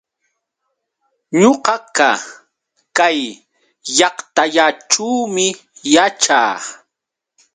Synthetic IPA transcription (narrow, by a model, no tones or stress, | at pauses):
ɲoqɑka | kajː | ɑqt̪aʎaʈ͡ʂuːmɪ | jat͡ʃa̰ː